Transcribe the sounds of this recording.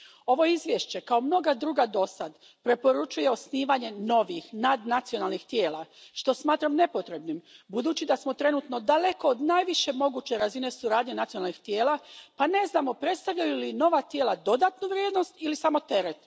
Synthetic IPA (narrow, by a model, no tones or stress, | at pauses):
o̞ʋo̞izʋjeʃt͡ɕe̞kaomno̞ɡad̪ɾuːɡad̪o̞sad̪ | pɾe̞po̞ɾut͡ʃuje̞o̞sniːʋaɲe̞no̞ʋixnad̪nat̪sijo̞nalˠnixt̪je̞ːlˠaʃt̪o̞smaːt̪ɾamne̞po̞t̪ɾe̞bnimbud̪uːt͡ɕid̪asmo̞t̪ɾe̞nut̪no̞d̪ale̞ko̞od̪naːjʋiʃe̞mo̞ɡuːt͡ɕe̞ɾazine̞suɾaːd̪ɲenat̪sionalnixt̪jeːlapane̞znaːmo̞pɾe̞t̪st̪aʋʎajulino̞ʋat̪jeːlad̪o̞d̪aːt̪nuʋɾʲjeːd̪no̞st̪ilisamo̞t̪e̞ɾet̪